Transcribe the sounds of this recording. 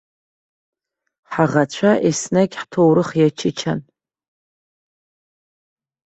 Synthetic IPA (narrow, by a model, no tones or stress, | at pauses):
ħaʁat͡ɕʷʰaʔesnakʲħtʰowɾɨχjat͡ʃʰɪt͡ʃʰan